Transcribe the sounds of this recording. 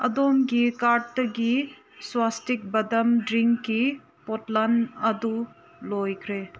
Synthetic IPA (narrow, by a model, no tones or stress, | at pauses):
ɐ̰d̪omɡikaʈt̪ɐɡi | swast̪ik̚bɐd̪ɐmɖɾiŋkkːi | potlanɐd̪u | lojkʰɾe